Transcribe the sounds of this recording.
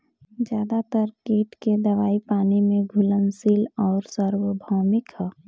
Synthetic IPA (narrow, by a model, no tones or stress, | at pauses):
d͡ʒjaːd̪at̪əɾkeːʈked̪əʋaːipaːnimẽɡʱulənsilɔːɾsəɾwəbʱɔːmɪkɦə